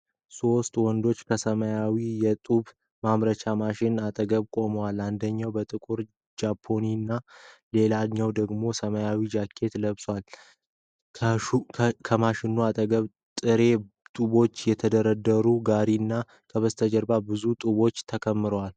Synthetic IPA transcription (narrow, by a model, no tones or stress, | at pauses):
so̞st̪wɔnd̪o̞t͡ʃːkʰəsəməjawijɛt̪ʼuβ | mamɾət͡ʃʰamaʃɪnat̪ʼəɡəβkʼo̞məwaland̪əɲːawbət̪ʼɨkʼuɾ | d͡ʒapʰːo̞ninːale̞laɲːawd̪əɡmo̞səməjawid͡ʒakʰːe̞t̪ləβswal | kʰəmaʃɪnːuat̪ʼəɡəβ | t̪ʼɨɾe̞ | t̪ʼuβo̞t͡ʃːjɛt̪ʰəd̪əɾəd̪əɾuɡaɾinːa | kʰəβəst̪ʰəd͡ʒəɾbabɨzut̪ʼuβo̞t͡ʃːt̪ʰəkʰəmːɨɾowal